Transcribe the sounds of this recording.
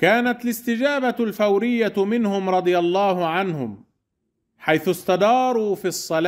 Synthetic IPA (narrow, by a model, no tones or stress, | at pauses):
kaːnat̪alɪst̪ɪd͡ʒaːbalfawɾɪjːamɪnhʊmɾˤɑd̪ˤɨjalˤːɑːhʊʕanhʊm | ħajθʊst̪ɑd̪ɑːɾˤuːfiɑsˤːɑlaː